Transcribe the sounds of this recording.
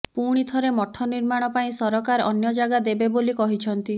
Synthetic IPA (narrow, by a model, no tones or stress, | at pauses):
puɽ̃it̪ʰɔɾemɔʈʰːɔniɾmaɽ̃ɔpaĩsɔɾɔkaɾɔ̰njɔd͡ʒaɡad̪ebebolikɔɦit͡ʃʰɔnt̪i